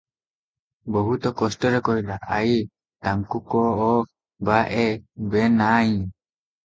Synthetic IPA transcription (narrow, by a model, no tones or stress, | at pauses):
bɔɦut̪ɔkɔsʈɔɾɛkɔɦjlaʔaj | t̪aŋkukɔː | baʔɛbɛnaj